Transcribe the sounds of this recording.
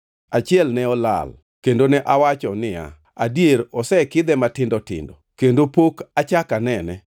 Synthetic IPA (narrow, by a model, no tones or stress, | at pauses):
at͡ʃɪɛlnɛɔla̰l | kendonɛʔawat͡ʃɔnɪa̰ | adjeɾɔsɛkɪd̪ɛmatɪndɔtɪ̰ndɔkendopokat͡ʃakanɛnɛ